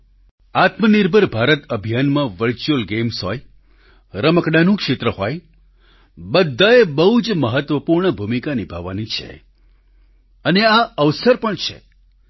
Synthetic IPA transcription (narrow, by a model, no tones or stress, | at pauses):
at̪məniɾbʱəɾbʱaɾət̪əbʱijanmãʋəɾt͡ʃuəlɡemsoj | ɾəməkɽanũkʃet̪ɾəɦoj | bəd̪ʱːaebəɦud͡ʒməɦət̪ʋəpuɾɳəbʱumikanibʱa̰ʋːa̰nit͡ʃʰḛ | əneaəʋsəɾpəɳt͡ʃʰḛ